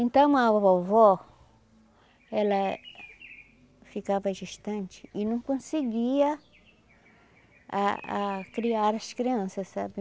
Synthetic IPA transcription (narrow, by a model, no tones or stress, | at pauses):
ẽnt̪ɐ̃w̃awɐpawvɔ | ɛlɐ | fikavɐd͡ʒiʃt̪ɐ̃nt͡ʃɪ̥ɪnɐ̃w̃kõseɡiɐ | a̰a̰kɾiaɾɐskɾiɐ̃sɐssa̰bɪ